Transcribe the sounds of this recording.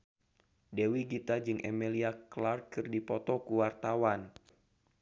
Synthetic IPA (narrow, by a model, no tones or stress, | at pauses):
dewiɡit̪ad͡ʒɨŋʔɛ̰meliaklarkɨrdipɔt̪ɔkuwart̪awan